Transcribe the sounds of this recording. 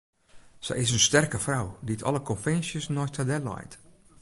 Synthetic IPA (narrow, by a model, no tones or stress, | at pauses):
sɛ̰jɪs̬ənstɛrkəfrawditʰɔ̰lˠəkɔnfɛnsjəsnɔjstadɛlɔ̰jt